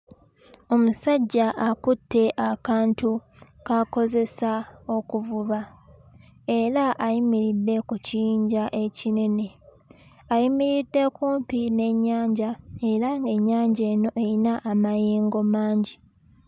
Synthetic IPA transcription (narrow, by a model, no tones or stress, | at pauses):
o̞musaɟːaʔakutːe̞ʔakaːntu | kako̞ze̞sao̞kuvuβa | e̞ɾaʔajimiɾidːe̞kuciiːɲɟaʔe̞cine̞ne̞ | ajimiɾidːe̞kuːmpine̞ɲːaːɲɟae̞ɾaŋɡe̞ɲːaːɲɟe̞ːno̞ʔe̞ɾinaʔːmajiːŋɡo̞maːɲɟi